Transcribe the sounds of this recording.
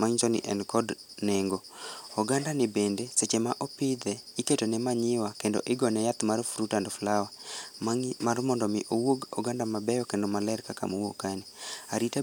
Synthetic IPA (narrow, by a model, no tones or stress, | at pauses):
maŋd͡ʒɔnɪ̰ʔɛnkɔd | nɛŋɡɔ | ɔɡandanɛbendeset͡ʃemaʔɔpɪd̪ɛiketonɛmaɲɪwakendo̰ʔɪɡɔnɛjat̪maɾfuɾutandɔflawa | maɾmɔndɔmɪʔowoɡɔɡandamabɛjɔkendɔmalɛrkaka̰mowokaniaɾita